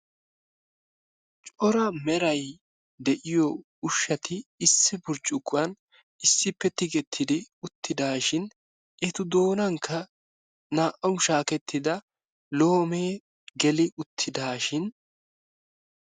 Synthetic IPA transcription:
t͡ʃʼɔɾɐmɛɾɐj | d̪ɛʔɪjɔ | ʊʃːɐt̪ʰɪːsːɪbʊɾt͡ʃʼʊkːʊɐn | ɪsːɪpːɛt̪ːɪɡɛt̪ʰːɪd̪ɪʊt̪ʰːɪd̪aːʃɪn | ʔɛt̪ʊd̪o̞ːnɐŋkʰːɐ | naːʔɐwʃaːkɛt̪ʰːɪd̪ɐ | lo̞ːmeː | ɡɛlɪʊt̪ʰːɪd̪aːʃɪn

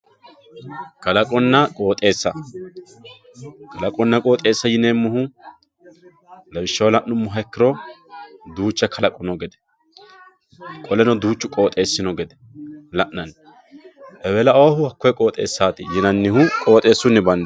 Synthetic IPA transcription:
kɐlɐkʼɔnːɐkʼo̞ːt̪ʼe̞ːsːɐ | kɐlɐkʼɔnːɐkʼo̞ːt̪ʼe̞ːsːɐjɪneːmːʊɦʊ | lɐbɪʃːɐwlɐʔnʊmːʊɦɐkːɪɾɔ | d̪uːt͡ʃːɐkʰɐlɐkʼɔnɔɡɛd̪ɛ̥ | kʼɔlɛnɔd̪uːt͡ʃːʊkʼo̞ːt̪ʼe̞ːsːɪnɔɡɛd̪ɛ̥ | lɐʔnɐn | ʔɛwɛlɐɐwɐhʊhɐkːɔjɛkʼo̞ːt̪ʼe̞̰ːsːaːt̪ɪjɪnɐnːɪhʊkʼo̞ːt̪ʼe̞ːsːʊnːɪbɐnd̪ɛ

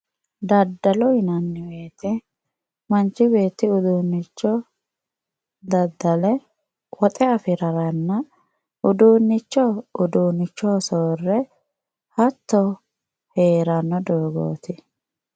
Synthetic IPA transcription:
d̪ɐd̪ːɐlɔɪnɐnːɪweːt̪ɛ | mɐnt͡ʃːɪbe̞ːt̪ːɪʊd̪uːnːɪt͡ʃːɔ | d̪ɐd̪ːɐlɛ | wɔt̪ʼɛɐfɪɾɐɾɐnːɐ | ʔʊd̪uːnːɪt͡ʃːɔʊd̪uːnːɪt͡ʃːɔsoːrːɛ | hɐt̪ːɔ | heːɾɐnːɔd̪oːɡo̰ːt̪ɪ

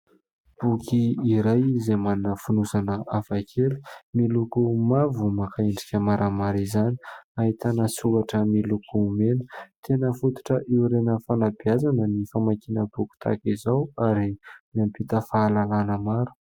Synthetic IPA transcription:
b̥ukʰiiɾajizemaninəfunusanəafakʰelu̥milukumavumakaeɳɖ͡ʐikʲəmaɾʔəmaɾizani̥aɦit̪anəsukaʈ͡ʂəmilukumenə̥t̪ʰenəfut̪u̥ʈ͡ʂəʔeuɾenəfanabiazanənifamakinəbuku̥t̪ʰa̰kizawaɾimampit̪əfaːlalanəmaɾu̥

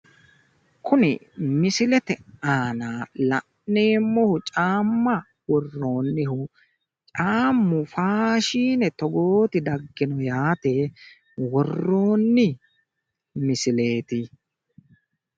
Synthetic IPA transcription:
kʊnɪ̰mɪsɪlɛt̪ɛaːnaːlɐʔneːmːɔhʊt͡ʃʼaːmːɐ | wɔrːoːnːɪhʊ | t͡ʃʼaːmːʊfaːʃiːnɛt̪ɔɡoːt̪ɪd̪ɐɡːɪnɔjaːt̪e | wɔrːo̞ːnːɪ | mɪsɪle̞ːt̪ɪ

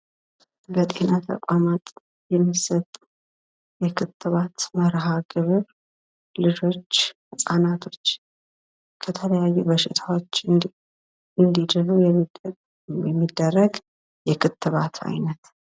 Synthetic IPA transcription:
bət̪ʼe̞nat̪ʰə̰kʷʼamat̪ | jɛmːisət̪ʼːu | jɛkʰɨt̪ʰʼːɨβat̪məɾɦaɡɨβɨɾ | lɨd͡ʒo̞t͡ʃː | ɨsʼanat̪ʰo̞t͡ʃː | kʰət̪ʰələjajːubəʃɪt̪ʰawot͡ʃː | ɨnd̪id̪ɨlujɛm | jɛmːid̪ːərːəɡ | jɛkʰɨt̪ːɨβat̪ʰa̰jnət̪

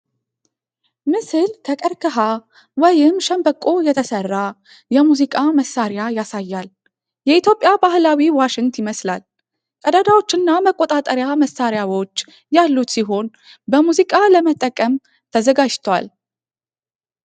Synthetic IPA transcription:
mɨsɨlt̪ʰəkʼəɾkʰəɦa | wɔjɪmʃəmbəkʼo̞jɛt̪ʰəsərːa | jɛmuzikʼaməsaɾjajasajːal | jɛit̪ʰjo̞pʼjabahlawiwaʃɪŋt̪ɪməsla̰l | kʼəd̪ad̪awo̞t͡ʃːɪnːaməkʼot̪ʼat̪ʼəɾjaməsːaɾjawo̞t͡ʃː | jalːut̪siɦo̞n | bəmuzikʼaləmət̪ʼːəkʼəm | t̪ʰəzəɡad͡ʒt̪ʰwa̰l

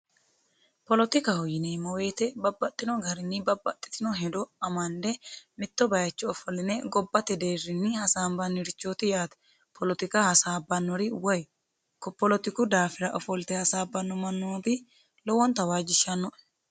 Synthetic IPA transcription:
pɔlɔt̪ɪkɐhɔjɪneːmɔwe̞ːt̪ɛbɐbːɐt̪ʼːɪnɔɡɐɾɪnːɪbɐbːɐ̰t̪ʼːɪ̥t̪ɪnɔɦɛd̪ɔɐmɐnd̪ɛmɪt̪ːɔbɐjɐt͡ʃːɔɔfɔlɪnɛɡɔbːɐt̪ːɛd̪e̞ːrːɪnːɪhɐsaːmbɐnːɪɾɪt͡ʃːoːt̪ɪjaːt̪ɛ̥ | pʰɔlɔt̪ɪkɐhɐsaːbɐnːɔɾɪwɔj | kɔpːɔlɔt̪ɪkʊd̪aːfɪɾɐʔɔfɔlt̪ɛhɐsaːbːɐnːɔmɐnːoːbɪ | lɔwɔnt̪ɐwaːd͡ʒːɪʃːɐnːɔʔ

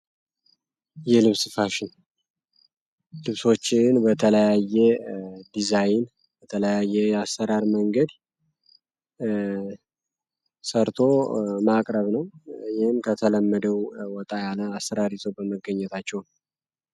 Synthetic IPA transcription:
jɛlɨβsɨfaʃɪn | lɨβso̞t͡ʃːɪnbət̪ʰələjajːɛd̪izajɪn | bət̪ʰələjajːɛasːəɾaɾməŋɡəd̪ | səɾt̪ʰo̞makʼɾəβnəwjɪhɨmkʰət̪ʰələmːəd̪əwwɔt̪ʼajaləasːəɾaɾit̪ʰobəməɡːəɲːɛt̪ʰat͡ʃːɛwn

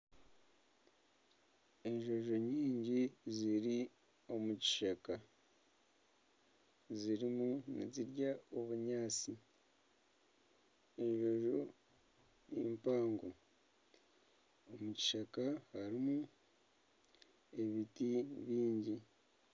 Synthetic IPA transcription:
e̞ɲʒo̞ʒo̞ɲiːɲɟiziɾi | o̞muci̥ʃaka | ziɾimunḭziɾɟaoβuɲaːt͡si | e̞ɲʒo̞ʒo̞ | jiːmpaːŋɡo | omuci̥ʃakahaɾimu | e̞βitiβiːɲɟi

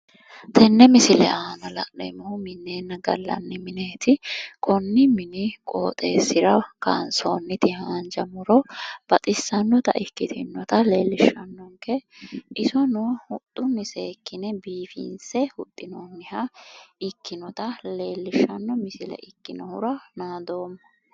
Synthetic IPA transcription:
t̪ɛnːɛmɪsɪlɛ̰aːnɐlɐ̰ʔnɛ̰mɔhʊmɪnːeːnːɐɡɐ̰lːɐ̰nːɪmɪneːt̪ɪkʰɔnːɪmɪnɪkʼoːt̪ʼe̞ːsɪɾɐka̰ːnsoːnːɪt̪ɪhaːnd͡ʒɐmʊɾɔb̥ɐt̪ʼɪsːɐnːɔt̪ɐʔɪkːɪt̪ʰɪnːɔt̪ɐleːlːɪʃɐnːɔŋkɛʔɪsɔnʊhʊt̪ʼːʊnːɪseːkːɪnɛbiːfḭːnsɛhʊt̪ʼːɪnoːnːɪhɐɪkːɪnɔt̪ɐle̞ːlːɪʃːɐnːɔmɪsɪlɛ̰ʔɪkːɪnɔhʊɾɐnaːd̪o̞ːmːɔ

